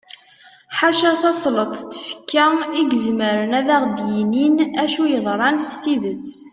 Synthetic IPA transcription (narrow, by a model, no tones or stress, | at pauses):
ħaʃæθɑsˤlət̪ˤt̪ːfə̥kːæiɡəzməɾənæðæʁd̪jininæʃujəðˤɾˤɑnst̪iðət͡sː